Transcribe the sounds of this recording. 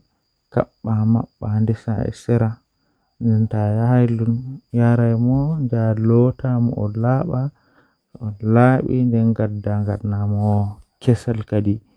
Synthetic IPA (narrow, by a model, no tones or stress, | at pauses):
ka̰ɓːamaɓːandɛsa̰ɛ̰sɛɾa | ndɛntajahajlunjaɾajmɔnd͡ʒalɔtamɔ̰ʔɔlaɓa | ɔlaɓḭndɛnɡadːaŋɡadnamɔkɛsalkadi